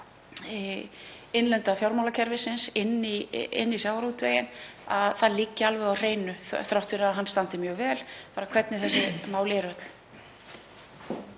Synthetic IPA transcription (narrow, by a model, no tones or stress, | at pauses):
ɪnlɛnt̪afjowɾmawlacʰɛɾvɪsɪnsɪnːiɪ̰nːisjaːwaɾut̪veːjɪna̰ðθaðliːcːɪalvɛɣawr̥eːjnʏθθɾawht̪fɪɾaðɦanst̪ant̪ɪmjœːɣvɛːlpaːɾakʰv̥ɛt̪nɪθɛsːɪmaːwlɛɾœt̪l̥